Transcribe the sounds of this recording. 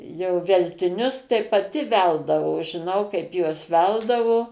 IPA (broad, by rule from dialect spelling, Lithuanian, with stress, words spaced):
jɛʊ ʋʲɛlʲtʲɪˈnʲʊs tɐɪ pɐˈtʲɪ ˈʋʲɛlˠdɐʋoː ʒʲɪˈnɐʊ ˈkɐɪp ˈjuɔs ˈʋʲɛlˠdɐʋoː